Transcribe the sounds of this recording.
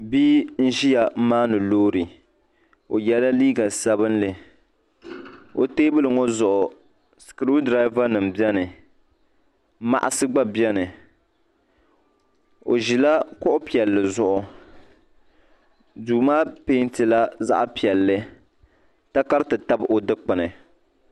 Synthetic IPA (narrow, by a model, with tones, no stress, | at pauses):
biː˦n̩˦ʒi˦a˨˦maː˦nɨ˨loː˦ɾɨ˨ | o˨jɛ˦la˦liː˦ɡa˨sa˦bɨ˦nlɨ˨ | o̰˨teː˦bɨ˦lɨ˨ŋɔ˦zʊ˨ʔʊ˨ | skɾu˦dɾa˦ɪ˦va˦nɨ˨m̩˨bɛ˦nɨ˨ | ma̰˨ʔa˨sɨ˦ɡ͡ba˦bɛ˦nɨ˨ | o̰˨ʒi˨la˦kʊ˦ʔʊ˦pi˨ɛ˨lːɨ˨zʊ˦ʔʊ˨ | duː˨maː˦pe˦ntɨ˨la˦za̰˦ʔpi˨ɛ˨lːɨ˦ | ta˦ka˦ɾtɨ˨ta˦bʔo˨dɨ˦k͡pɨ˨nɨ˨